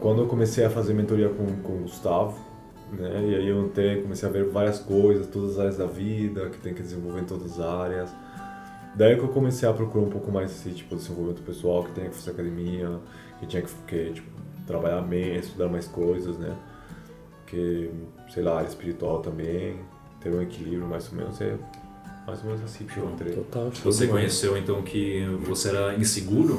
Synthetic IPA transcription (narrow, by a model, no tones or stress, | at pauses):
kwɐ̃nd̪ʊewkomesejɐfazeɾmẽnt̪eoɾiɐkõkõɡust̪avʊ | nɛɪaiewẽnt̪ɾejkomesejɐveɾvaɾjɐskojzɐst̪od̪ɐzɐzaɾjɐzd̪ɐvid̪ɐkɪ̥t̪ẽj̃kɪd̪ezẽvowveɾ̃ẽt̪od̪ɐzɐzaɾjɐs | d̪aikewkomesejɐpɾokuɾoũpowkʊmajzasĩt͡ʃi̥pʊd̪ezẽvovimẽnʊpesuawkɪt̪ẽɲɐkɪ̥fazeɾakad̪emiɐ | kɪt͡ʃ̪ĩɲɐkɪ̥fkɪt͡ʃi̥pʊt̪ɾabaʎaɾmẽest̪ud̪aɾmajskojzɐsnɛ̰ | kɪ | sejlaaɾjɐɪspiɾit̪uawt̪ɐ̃mbẽj̃ | t̪eɾũekilibɾjʊmajzomḛ̃nʊsɛ̰ | ma̰jzomẽnʊzasĩpẽt̪eɾejot̪awsvosekõɲesewẽnt̪ɐ̃w̃kʰɪvoseɛɾɐĩseɡuɾʊ